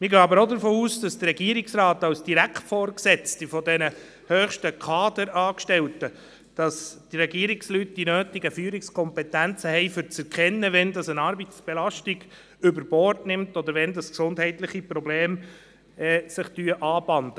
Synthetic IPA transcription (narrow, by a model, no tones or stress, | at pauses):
mɪɾɡøːɑbəɾod̪əɾfoːuːsd̥ɑsd̥əɾɛɡiəɾɪksrɑːtɑwsd̥iɾækχtfɔːɾksɛt͡stifɔdɛnə | høːχʃtəkʰɑːd̪əɾɑːkʃtɛltə | d̥ɑsd̥iɾɛɡiːɾɪkslyt̚d̥inøːtɪɡəfyːəɾɪkskʰɔmpɛtænt͡səhɛɪfʏɾt͡sɛɾkʰχɛnːəvɛndɑsənɑɾbit͡sb̥ɛlɑʃtiɡ | ʏbəɾb̥ɔːrtnɪmtɔd̪əɾʋɛndɑsksʊndhɛɪtlɪχipɾɔbleːm | ɛːsɪχtyəʔɑːb̥ɑnd̪ə